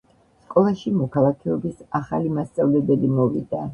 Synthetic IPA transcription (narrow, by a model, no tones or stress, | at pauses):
skʼɔlˠaʃimɔkʰalˠakʰɛɔbisaχalimast̪sʼavlɛbɛlimɔvḭd̪a